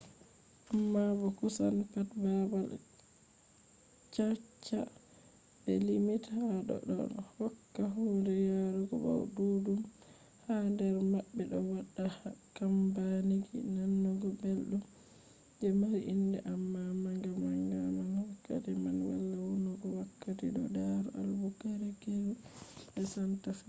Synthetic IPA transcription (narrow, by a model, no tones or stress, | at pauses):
ʔamːabɔkusanpatbabal | t͡ʃat͡ʃːa | bɛlimithaɗɔ̰ɗɔ̰nhɔkːaɦundɛjaɾuɡɔba̰wduːdum | handɛɾmabːɛɗɔwaɗːahkambaniɡḭnanːɔɡɔbelɗum | d͡ʒɛmaɾiʔindɛʔamːamaŋɡamaŋɡamanhɔkːa̰timanwa̰lːawunɔɡɔwakːatiɗɔ̰daɾṵʔa̰lbuɡaɾɛɡeɾubɛsantafi